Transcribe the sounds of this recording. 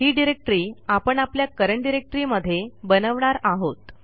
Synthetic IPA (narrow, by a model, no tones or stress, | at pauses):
ɦiːɖiɾek̚ʈɾiːapəɳapljakəɾəɳɖiɾek̚ʈɾiməd̪ʱːjebənəʋɳaɾaɦot̪